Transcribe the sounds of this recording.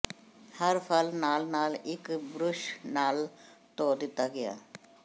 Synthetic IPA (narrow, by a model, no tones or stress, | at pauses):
hɐɾpʰəlnaːlnaːlɪkbɾʊʃnaːlt̪od̪ɪt̪aɡɐja̰ː